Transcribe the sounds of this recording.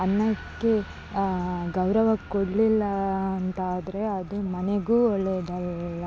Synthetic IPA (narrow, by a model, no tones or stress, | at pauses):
ɐnːɐkːe | ɡɐwɾɐʋɐkoɽlilːɐːnt̪aːd̪ɾe̞ɐd̪umɐneɡuːɔɭːed̪ɐlːɐ